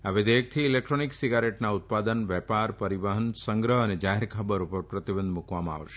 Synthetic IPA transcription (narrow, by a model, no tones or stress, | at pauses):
aʋed̪ek̚t̪ʰiːlek̚ʈɾoniksiɡaɾeʈnaut̪̚pad̪ənʋɛpaɾpəɾiʋaɦənsə̃ŋɡɾəɦəned͡ʒaɦeɾkʰəbəɾupəɾpɾət̪ibənd̪mukʋamãa̰ʋʃe̥